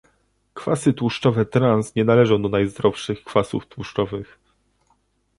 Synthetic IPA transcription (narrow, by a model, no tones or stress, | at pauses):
kfa̰sɘt̪wuʂt͡ʂɔvɛt̪ɾansɲɛnalɛʐɔ̃w̃d̪ɔnajzd̪ɾɔfʂɘxkfasṵft̪wuʂt͡ʂɔvɘx